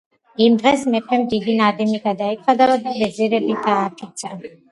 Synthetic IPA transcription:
imd̪ʁɛsmɛpʰɛmd̪id̪inad̪ɛmiɡad̪aikʰvad̪avad̪abɛziɾɛbit̪ʰaːpʰit̪sʰa

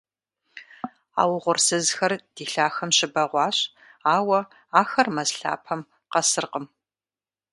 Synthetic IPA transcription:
a̰ːwʁʷʊrsɨzxɐrd̥iːɬaːxɐmɕɪbɐʁʷɑːɕ | aːwɐ | aːxɐrmɐzɬa̰ːpʰɐm | qɐsɨrqəm

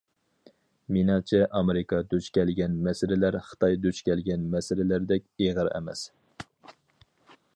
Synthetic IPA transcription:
minɑt͡ʃʰɛʔɑmeɾɪkɑd̪øt͡ʃkʲʰɛlɡʲɛnmɛsɪɾɪlæɾχə̥t̪ʰɑjd̪øt͡ʃkʲɛlɡʲɛnmɛsɪɾɪlæɾd̪ɛkʲeʁəɾɛ̰mɛ̰s

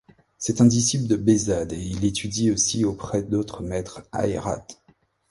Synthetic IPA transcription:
sɛt̪ɛ̃d̪isipld̪əbezad̪eilet̪ʰyd̪iosiopχɛd̪ot̪χəmɛt̪χa̰ḛʁa̰t̪

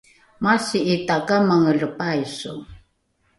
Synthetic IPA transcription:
masiitakamaŋələpajsṵ

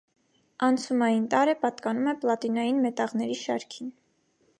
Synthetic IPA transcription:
ɑnt͡sʰumɑjint̪ɑɾɛpɑt̪kɑnumɛplɑt̪inɑjinmɛt̪ɑʁnɛɾiʃɑɾkʰin

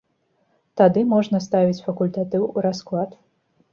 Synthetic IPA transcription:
t̪ad̪ɨmɔʐnɐst̪avʲit͡sʲfɐkulʲt̪at̪ɨwuɾasklˠat̪

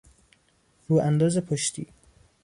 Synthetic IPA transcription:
ɾuːʔænd̪ɒːzepʰoʃt̪ʰḭː

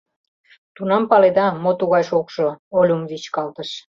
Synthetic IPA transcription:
t̪unɑmpɑled̪ɑmot̪uɣɑjʃokʃoolʲumvit͡ɕkɑlt̪əʃ

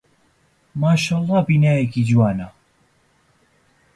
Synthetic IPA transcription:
maːʃaːlˠˤːɑːbiːnaːjekiːd͡ʒwaːnɐ

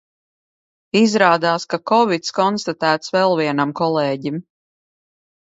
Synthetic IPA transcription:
izɾaːd̪aːskakɔvit̪skɔnst̪at̪æːt̪svɛlˠviɛnamkɔlˠɛːɟim

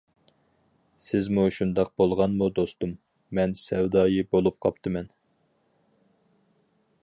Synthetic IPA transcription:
sɪzmuʃund̪ɑq̚bolˠʁɑnmud̪ost̪umː | ɛnsɛwd̪ɑːjibolˠup̚qʰɑ̰pt̪ʰɨmɛn

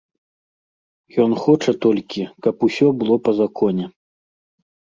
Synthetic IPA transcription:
jɔnxɔt͡ʂɐt̪ɔlʲkʲikɐpusʲɔbɨlˠɔpɐzakʰɔnʲɛ

